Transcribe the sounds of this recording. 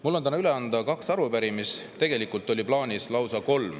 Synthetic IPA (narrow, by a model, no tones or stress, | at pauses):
mulːo̞nt̪ænɑyle̞ɑnd̪̥ɑkɑksɑɾupæɾimist̪e̞ɡ̥e̞likult̪ːˑo̞lʲiplɑːnʲislɑwsɑko̞lm